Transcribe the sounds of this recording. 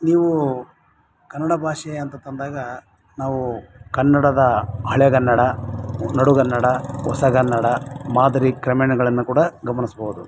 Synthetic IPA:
niːʋu | kɐnːɐɽɐbʱaːʂɐjɐɐːnt̪ɐt̪ɐnd̪aːɡɐ | naːʋukɐnːɐɽɐd̪ɐɦɐɭjɛɡɐnːɐɽɐnɐɽuɡɐnːɐɽɐɔ̰sɐɡɐnːɐɽɐmaːd̪ɐɾikɾɐmɛɳɐɡɐɭɐnːukuːɽɐɡɐmɐnisbɐud̪u

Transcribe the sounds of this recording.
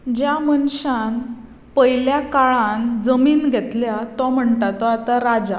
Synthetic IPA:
d͡ʑjamənɕan | pəjljakaɭãnd͡zəmiːnɡʱɛt̪ljat̪ɔm̤əɳt̪at̪ɔat̪aɾad͡za

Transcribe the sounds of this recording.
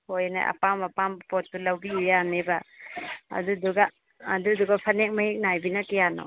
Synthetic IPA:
hojna̰ʔa̰pamapampɔt̚ːulawbiujaneba | a̰duduɡaː | duduɡapʰanɛk̚mahik̚najbinakijanɔ̰

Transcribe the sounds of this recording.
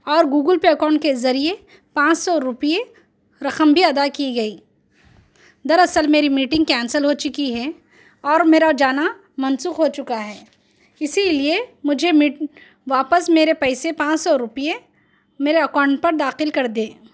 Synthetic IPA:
ɔːɾɡuːɡəlpeɐkɔ̃ːɳʈkezɐɾie | pãːt͡ʃsɔɾʊpie | ɾɐqəmbʱiɐd̪akiɡɐiː | d̪ɐɾɐsəlmeːɾimiːʈɪ̃ŋɡkɛ̃ːnsəlɦoːt͡ʃʊkiɦɛː | ɔːɾmeːɾad͡ʒaːna | mɐnsuːxɦoːt͡ʃʊkaɦɛː | ɪsiliemʊd͡ʒʱemiːʈ | ʋaːpəsmeːɾepɛɪsepãːt͡ʃsɔɾʊpie | meːɾeɐkɔːʊ̃ɳʈ̚pɐɾd̪aːxɪlkɐɾd̪ẽː

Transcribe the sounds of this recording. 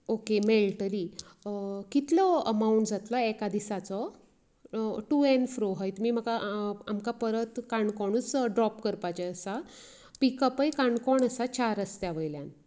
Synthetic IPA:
okemelʈəɾi | kit̪ləəmauuɳʈd͡zat̪lɔɛkad̪isat͡sɔ | ʈuenfɾoɦəjt̪miːm̤əɡaamkapəɾət̪kaɳkɔɳ̃uːt͡sɖɾɔpkəɾpat͡ɕeəsa | pikəpəjkaɳɖkɔɳəsat͡ɕaɾəst̪jaʋəjlja̰n

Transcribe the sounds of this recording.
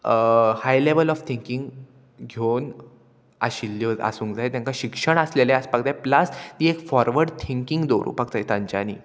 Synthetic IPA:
hajleʋəlɔʋt̪ʰiŋkĩŋɡ | ɡʱon | ə̰ɕilːjoa̰suːŋkd͡zaɦet̪jãŋkaɕikʂəɳəsleleəspakd̪apləst̪iːekfɔɾʋəɾɽt̪ʰiŋkiŋɡd̪oɾṵpak̚t͡saɦit̪ãɲt͡ɕaniː

